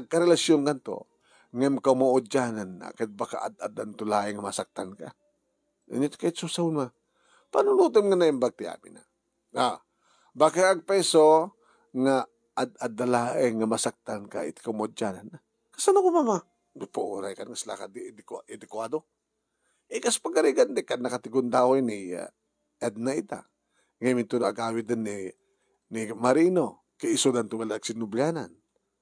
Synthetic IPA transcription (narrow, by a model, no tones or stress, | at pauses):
aɡ̚kaɾɛlasjonkant̪o̰ | ŋaɪmkawmaʊd͡ʒanana̰kaɪt̪̚baka̰ʔa̰d̪a̰d̪ant̪ʊlaːʔɪŋamasak̚t̪anka̰ | ɪ̰ɲot̪kajɪt̪̚susawʊnma | panʊlut̪omŋanaɪmbaɡ̚t̪ɪa̰ːmɪ̰na̰ | a | bakaʔaɡ̚pɛso | ŋa | ʔad̪̚ad̪alaːʔɪŋamasak̚t̪anka̰ʔɪ̰t̪kawmaʊd͡ʒanana | kasanakomama | nʊpaʔṵɾajkanŋasla̰kad̪ɪd̪kaʔɛd̪ɪkwad̪o | ʔɛkaspaɡaɾiɡand̪ɪkannːakat̪ɪɡʊnd̪ahojnḭ | ɛd̪̚naɪt̪a̰ | ŋamɪnt̪ʊnoʔaɡaːwɪd̪ɪnːi | nɪmaɾiːno | kaɪsod̪ant̪ʊɡalaɡsɪnʊblanan